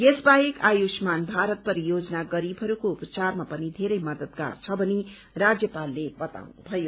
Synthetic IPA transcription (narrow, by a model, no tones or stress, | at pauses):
jesbaekajosmanbʱaɾʌt̪̚pʌɾijod͡zʌnaɡʌɾibʱɦʌɾukoupt͡sarmapʌnid̪ʱeɾʌjmʌd̪ʌd̪̚ɡa̰rt͡sʰʌbʱʌni | rad͡zjʌpalːebʌt̪a̰wnubʱʌjo